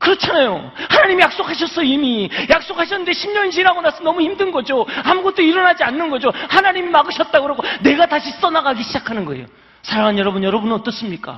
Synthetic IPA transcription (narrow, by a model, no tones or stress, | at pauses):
kɯɾʌt͡ɕʰanajo | hanaɲimijak̚s͈okʰaɕ̬ʰʌs͈ʌimijak̚s͈okʰaɕ̬ʰʌnneɕʰimɲʌnɕʰiɾaɡonas͈ʌnʌmuçimdɯnɡʌd͡ʑoamuɡʌt͈oiɾʌnad͡ʑianːɯnɡʌd͡ʑohanaɲimimaɡɯɕʰʌt̚t͈aɡɯɾʌɡone̞ɡataɕʰis͈ʌnaɡaɡiɕʰid͡ʑakʰanɯnɡʌḛjo̰ | sʰaɾaŋanjʌɾʌbunjʌɾʌbunɯnʌt͈ʌs͈ɯmɲik͈a̰